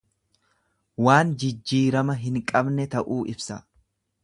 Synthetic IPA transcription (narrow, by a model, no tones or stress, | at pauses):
waːnd͡ʒɪd͡ʒːiːɾɐmɐɦɪŋkʼɐbnɛt̪ɐʔuːʔɪbsɐ